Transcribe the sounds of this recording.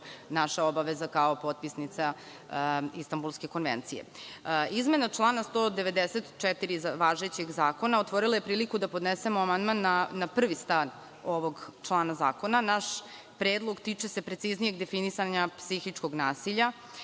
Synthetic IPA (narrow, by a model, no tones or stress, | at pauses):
naʃaobaʋezakaopo̞t̪̚pisnit̪sa | ist̪ambulˠske̞ko̞nʋḛnt̪sije̞̰izme̞nat͡ʂlˠaːnast̪oːd̪eʋe̞d̪eset̪t͡ʃɛt̪iɾiʋaːʒe̞t͡ɕeɡzaːko̞naot̪ʋo̞ɾilˠaje̞pɾiːlikud̪apo̞d̪nese̞moamand̪manːaːapr̩ʋist̪an | o̞ʋo̞ɡt͡ʂlˠaːnaza̰ːko̞nanaʃ | pɾeːd̪lˠoɡt̪iːt͡ʂe̞se̞pɾe̞t̪siznije̞ɡd̪e̞finisaɲapsixit͡ʂkoɡnaːsiʎa